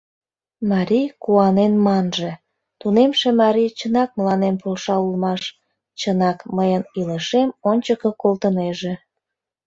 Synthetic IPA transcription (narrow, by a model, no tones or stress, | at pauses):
mɑɾʲijkuɑnenmɑnʒe̽ | t̪unemʃemɑɾʲijt͡ɕənɑk̚məlɑnempolʃɑulmɑʃ | t͡ɕənɑkməjəniləʃemonʲt͡ɕəkəkolt̪əneʒe